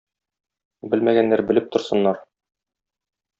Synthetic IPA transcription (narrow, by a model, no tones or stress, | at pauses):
bɘlmæɡænːæɾbɘ̆lɘp̚t̪ŏɾsɤ̆nːɑɾ